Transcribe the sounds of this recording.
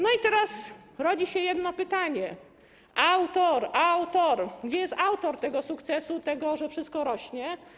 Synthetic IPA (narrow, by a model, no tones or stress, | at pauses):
nɔit̪ɛɾas | ɾɔd͡ʑiɕɛjɛd̪nɔpɘt̪aɲɛ | awt̪ɔɾawt̪ɔɾɡd͡ʑɛjɛst̪awt̪ɔɾt̪ɛɡɔsukt̪sɛsut̪ɛɡɔʐɛfʂɘst̪̚kɔɾɔɕɲɛ